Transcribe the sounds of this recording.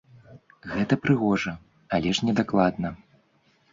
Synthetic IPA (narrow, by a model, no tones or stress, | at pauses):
ɣɛt̪ɐpɾɨɣɔʐɐ | alʲɛʂnʲɛd̪aklˠad̪nɐ